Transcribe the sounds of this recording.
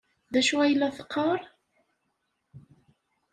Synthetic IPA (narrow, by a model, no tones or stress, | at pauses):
ðæʃuæjlːæθə̥qʰːəɾˤ